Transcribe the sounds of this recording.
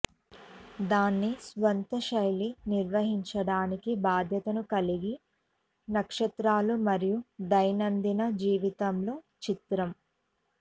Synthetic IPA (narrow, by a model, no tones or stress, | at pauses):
d̪aːnːisʋɐnt̪ɐʃɐjliniɾʋɐɦiɲt͡ʃɐɽaːnikibaːd̪ʱjɐt̪ɐnukɐliɡi | nɐkʂɐt̪ɾaːlumɐɾijud̪ɐjnɐnd̪inɐd͡ʒiːʋit̪ɐmlo̞ː | t͡ʃit̪ɾɐm